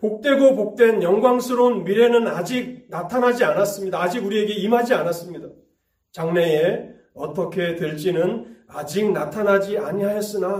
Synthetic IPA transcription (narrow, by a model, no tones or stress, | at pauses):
pok̚t͈we̞ɡopok̚t͈we̞njʌŋɡwaŋsʰɯɾonmiɾe̞nɯnad͡ʑik̚natʰanɦad͡ʑianas͈ɯmɲidaːd͡ʑiɡuɾie̞ɡe̞imɦad͡ʑianas͈ɯmɲida | t͡ɕaŋne̞e | ʌt͈ʌkʰe̞teɭt͡ɕ͈inɯnad͡ʑik̚natʰanɦad͡ʑiaɲiɦajʌs͈ɯna